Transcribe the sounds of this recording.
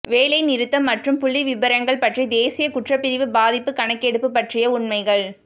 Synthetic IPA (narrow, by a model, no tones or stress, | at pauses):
ʋeːlɐɪnɪɾɯt̪ːɐmːɐʈrɯmpʊɭːiʋɪbɐɾɐŋɡɐɭpɐʈrid̪eːsɪjɐkʊʈrɐpːɪɾɪʋɯbaːðɪpːɯkɐɳɐkːɛɽɯpːɯpːɐʈrɪjɐʊɳmɐɪɣɐɭ